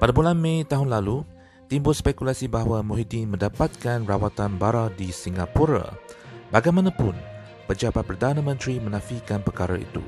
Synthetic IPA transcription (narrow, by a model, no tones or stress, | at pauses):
padabulanmẽjt̪aɦʊnlalu | t̪imbʊlspɛkulasibaɦawamuɦidinmə̃ndapat̪̚kanrawat̪anbaɾadisiŋɡapuɾa̰baɡajmãnãpʊn | pəd͡ʒapat̪̚pərdanãmə̃nt̪ɾimə̃nãfikanpərkaɾa̰ḭt̪ṵ